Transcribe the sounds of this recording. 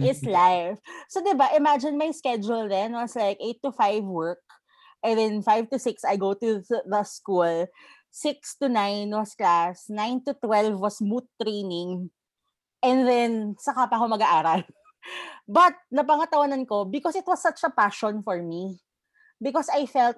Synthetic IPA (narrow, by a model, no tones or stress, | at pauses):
ɪtslajfsod̪ɪbaʔɪmad͡ʒɪnmɐjskɛd͡ʒʊld̪ɛnwɐslajkʔejt̪ːʊfajvwɛɹk̚ | ʔɛ̃nd̪ɛnfajvt̪ʊsɪksɐjɡowt̪uðɐskul | sɪkst̪ʊnajnwɐsklasnajnt̪ʊt̪wɛlvwɐsmut̪ːɾejnɪŋ | ʔɛ̃nðɛnsɐkapɐkomɐɡaʔaːɾɐl | bɐt̪̚nɐp̬ɐŋɐt̪ɐwɐnɐnko̞bɪkɔsɪt̪wɐsːɐt͡ʃɐpaʃɔ̃nfɔɹmi | bɪkɔsajfɛlt̪̚